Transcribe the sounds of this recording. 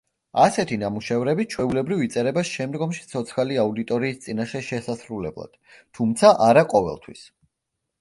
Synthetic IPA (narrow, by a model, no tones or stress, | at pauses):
asɛt̪ʰinamuʃɛvɾɛbit͡ʃʰwɛulɛbɾivit̪sʼɛɾɛbasʃɛmd̪ɡɔmʃi̥t̪sʰɔt̪sʰχaliaud̪it̪ʼɔɾiːst̪sʼinaʃɛʃɛsasɾulɛ̰blˠa̰d̪̥t̪ʰumt̪sʰaʔaɾaqʼɔvɛ̰lˠt̪ʰwḭs